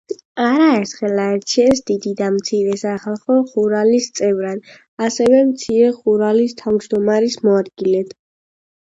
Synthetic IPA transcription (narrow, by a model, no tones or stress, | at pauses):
aɾaɛɾt̪ʰχɛlaɛɾt͡ʃʰɛsd̪id̪id̪amt̪sʰiɾɛsaχalˠχɔχuɾalist̪sʼɛvɾan | asɛvɛmt̪sʰiɾɛχuɾalist̪ʰavd͡ʒd̪ɔmaɾismɔad̪ɡilɛd̪̥